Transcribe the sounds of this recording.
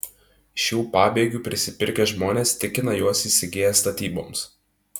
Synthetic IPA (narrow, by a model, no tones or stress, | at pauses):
ʃʲuːpɑːbʲeːɡʲuːˑpʲɾʲɪsʲɪpʲɪɾʲkʲɛʒmoːnʲeːst̪ʲɪkʲɪnɐjuɔsiːsʲɪɡʲeːjɛst̪ɐt̪ʲiːbo̰ːms